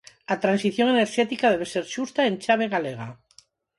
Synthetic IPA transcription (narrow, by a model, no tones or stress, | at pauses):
at̪ɾansiθjoŋeneɾʃet̪ikað̞eβ̞eseɾʃust̪aent͡ʃaβ̞eɣaleɣ̞a̰